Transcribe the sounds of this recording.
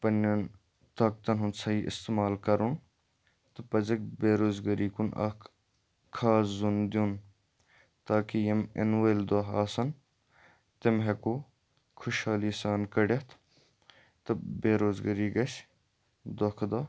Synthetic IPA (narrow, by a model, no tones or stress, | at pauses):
pɐnɐn | t̪ɐːk̚t̪ɐnɦunsɐɦiːʔɪ̰st̪emaːlkɐɾun | t̪ɨpɐzɐk̚beːɾoːzɡɐɾiːkunʔɐ̰k | kʰːaːzund̪ʲun | t̪aːkijɐmḛnweld̪ɐɦaːsɐn | t̪emɦeku | kʰʊʃhaːliːsaːnkɐɽɐt̪ʰ | t̪ɨbeːɾoːzɡɐɾiːɡɐs | d̪okʰd̪aː